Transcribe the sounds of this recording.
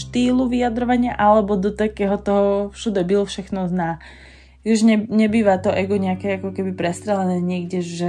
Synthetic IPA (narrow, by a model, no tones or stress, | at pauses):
ʃt̪iːluʋijad̪ɾɔʋaɲɪaʔalɛbɔd̪ɔt̪akɛːɦɔt̪ɔɦɔfʃud̪ɛbilfʃɛxnɔznaː | juʒɲɛɲɛbiːʋat̪ɔʔɛɡɔɲɛakɛakɔkɛbipɾɛst̪ɾɛlɛnɛːɲɪɛɡɟɛʒɛ